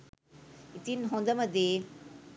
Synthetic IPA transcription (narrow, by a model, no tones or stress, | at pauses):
it̪inɦõnd̪əməd̪je